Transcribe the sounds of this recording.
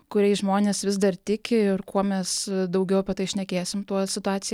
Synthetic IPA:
kʊɾʲɛɪʒmoːnʲeːsʋʲɪzd̪ɐrt̪ʲɪkʲɪɪrkuɔmʲɛsd̪ɐʊɡʲɛʊɐpʲɛt̪ɐɪʃʲnʲɛkʲeːsʲɪmt̪uɔsʲɪt̪ʊɑːsʲɪ

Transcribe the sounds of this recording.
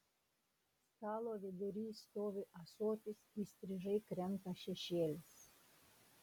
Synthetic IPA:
st̪ɑːlˠoːʋʲed̪ʲʊɾʲiːst̪oːʋʲɪʔɐsoːt̪ʲɪsiːsʲt̪ʲɾʲɪʒɐɪkɾʲɛmt̪ɐʃʲɛʃʲeːlʲɪs

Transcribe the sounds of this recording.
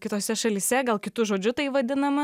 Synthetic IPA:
kʲɪt̪oːsʲɛʃɐlʲiːsʲɛɡɐlˠkʲɪt̪ʊʒoːd͡ʒʲʊt̪ɐɪʋɐd̪ʲɪnɐmɐ

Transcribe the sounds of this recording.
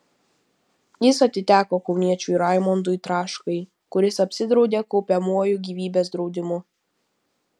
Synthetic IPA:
jɪsɐt̪ʲɪt̪ʲæːkoːkɒʊnʲiɛt͡ʃʲuɪɾɑˑɪmɔnd̪ʊɪt̪ɾɑːʃkɐɪ | kʊɾʲɪsɐpʲsʲɪd̪ɾɒʊd̪ʲeːkɔʊpʲɛmuɔjuɡʲiːʋʲiːbʲeːsd̪ɾɒʊd̪ʲɪmʊ

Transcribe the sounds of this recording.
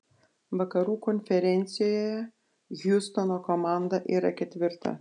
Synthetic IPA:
ʋɐkɐɾuːkɔnʲfʲɛɾʲɛnʲt̪sʲɪjoːjoːjɛ | ɡʲjʊst̪ɔnoːkomɑˑnd̪ɐʔiːɾɐkʲɛt̪ʲʋʲɪɾt̪ɐ̰

